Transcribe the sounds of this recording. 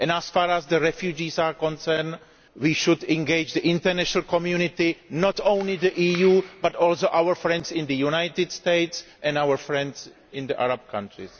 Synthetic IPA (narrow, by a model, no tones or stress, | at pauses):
ʔɛ̃nasfaːɾæzdəɹɛfjud͡ʒiːsaːkɔ̃nsɛn | wiːʃʊdɛ̃ŋɡeɪd͡ʒdəʔɪ̃nt̪əɾnɛʃnalkɔmjunɪt̪ɪnɔt̪õw̃nlɪdəʔiːjuːbatɔːls̬oʔawəɹfɾɛ̃ndsɪ̃nd̪əjunajt̪ɪdst̪eɪtsʔɛ̃nawəɹfɹɛ̃nds | ɪ̃nd̪əʔa̰ɾab̚kʰã̰nt̪ɹɪ̰s